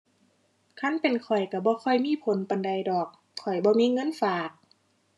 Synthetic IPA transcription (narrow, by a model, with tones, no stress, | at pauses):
kʰa˧˥˨npe˨nkʰɔ˨˩jka˧˩bɔː˧˦kʰɔ˧˩jmiː˧˥˨pʰo˨˦npa˨nda˨jdɔː˨˩k̚ʰːɔ˨˩jbɔː˧˦miː˧˥˨ŋɤ˧˥˨nfaː˨˩k̚